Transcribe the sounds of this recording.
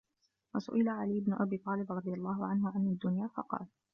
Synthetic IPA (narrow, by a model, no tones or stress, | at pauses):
wasʊ̰ʔɪlaʕaliːɪbnʊʔabiːt̪ˤɑːlɪbɾˤɑd̪ˤɨjɑlˤːɑːɦʊʕanɦʊʕanad̪ːʊnjaːfɑ̰qɑ̰ːl